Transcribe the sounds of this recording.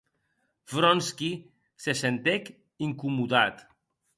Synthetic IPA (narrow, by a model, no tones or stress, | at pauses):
fɾɔnski | sesent̪ek | iŋkumuðat̪